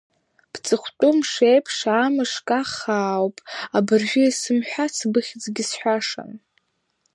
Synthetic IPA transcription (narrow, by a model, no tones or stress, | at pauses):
b̥t͡sʼɨχʷtʼumʂejpʰʂaːmɨʂkʼaχaːwpʼabɨrʒʷᶣʊisɨmħʷᶣat͡sʰbɨχʲd͡zʼɡʲɪsħʷᶣaʂa̰n